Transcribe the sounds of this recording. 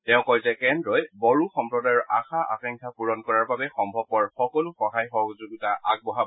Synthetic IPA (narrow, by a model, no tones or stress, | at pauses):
tɛʊ̃kɔjzɛkɛndɹɔjbɔɹuxɔmpɹɔdajɔɹʔaxaʔa̰tɛŋkʰapuɹɔnkɔɹaɹbabɛxɔmbʱɔb̚pɔɹxɔkɔlʊxɔɦajxɔɡzuɡutaʔa̰ɡ̚bɔɦa